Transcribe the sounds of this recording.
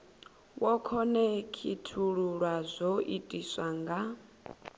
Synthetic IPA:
wɔkʰɔnɛkʰitʰuɺuɺwazʷoʔitʼiswaŋɡa

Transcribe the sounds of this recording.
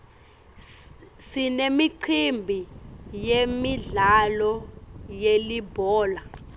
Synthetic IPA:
sinemiǀʰimbʱijemiɮalɔjelibʱɔːla

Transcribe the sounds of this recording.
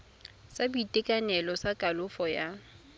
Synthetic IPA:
sabutʼekʼanɛlɔsakʼalʊfɔja

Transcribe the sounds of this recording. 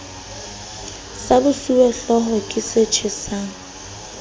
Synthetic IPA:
sabʊsuwɛɬɔɦɔkʼɪset͡ʃʰɪsaːŋ̩

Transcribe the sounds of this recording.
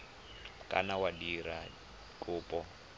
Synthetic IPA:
kʼa̰nawadiɾa | kʼʊːpʼɔ

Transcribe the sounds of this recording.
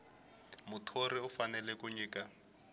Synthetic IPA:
mʊtʰoriʊfanɛlɛkuɲiːka

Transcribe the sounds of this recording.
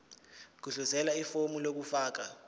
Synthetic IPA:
k̬uɮuzɛlaifomulok̬ufaːk̬a

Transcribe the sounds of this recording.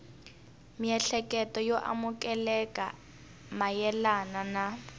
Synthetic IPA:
miɛɬɛkɛtɔjoʔa̰mukɛlɛka̰ | majɛlanana

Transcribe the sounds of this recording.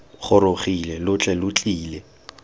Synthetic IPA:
χʊɾoχilɛlʊt͡ɬʼɛlʊt͡ɬʼiːlɛ

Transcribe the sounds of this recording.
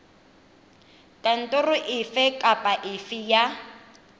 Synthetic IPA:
tʼan̩tʼʊrʊʔɪfɛkʼapʼaʔɪfɪja

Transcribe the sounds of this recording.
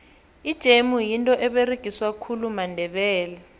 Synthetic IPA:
id̥ʒ̥ʱemujintʼɔʔɛɓeriɡ̥ʱiswakʰulumandʱɛɓɛːlɛ

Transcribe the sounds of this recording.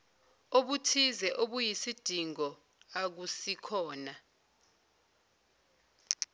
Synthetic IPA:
oɓutʰizɛʔoɓujisid̥ʱiŋɔ | ak̬usikʰɔːna

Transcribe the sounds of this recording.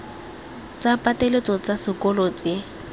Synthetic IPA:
t͡sʼapʼatʼelet͡sʼɔt͡sʼasɪkʼɔlɔt͡sʼɪ

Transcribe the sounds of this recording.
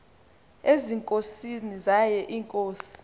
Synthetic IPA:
eziŋkʼosinizajɛʔiːŋkʼoːsi̥

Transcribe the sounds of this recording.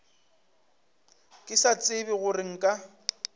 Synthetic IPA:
kʼɪsat͡sʼɪbɪɣʊrɪŋ̩kʼa

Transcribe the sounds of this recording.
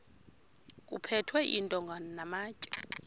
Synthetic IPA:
kʼṵpʰɛtʰwɛʔḭntʼɔŋɡʱanɔnamaːcʼɛ̥

